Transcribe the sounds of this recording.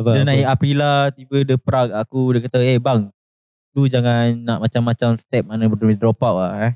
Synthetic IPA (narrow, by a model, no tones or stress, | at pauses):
dənaiapilaht̪ibədəpɾak̚akudəkat̪aehbaŋ | dud͡ʒaŋanːaʔmat͡ʃamːat͡ʃamst̪ɛp̚manəbədumidɾɔpaʔlaɛ